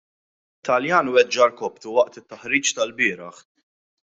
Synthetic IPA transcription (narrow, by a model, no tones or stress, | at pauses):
t̪ːɐljɐːnwɛd͡ʒːɐɾkɔpt̪uwɐʔt̪ɪt̪ːɐħɾiːt͡ʃt̪ɐlbɪːɾɐħ